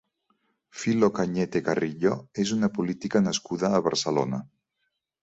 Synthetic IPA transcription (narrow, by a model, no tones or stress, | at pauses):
filokaɲet̪ekariʎoezunəpulit̪ikanəskuðaːβaɾsəlona̰